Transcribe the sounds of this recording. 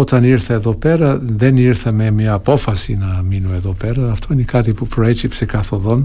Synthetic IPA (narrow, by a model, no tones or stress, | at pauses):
ɔt̪aniɾθaɛðɔpɛɾaðɛniɾθamɛmiapɔfasinaminuɛðɔpɛɾaaft̪ʰɔnikat̪ipupɾɔɛt͡ʃipsɛkaθɔðɔn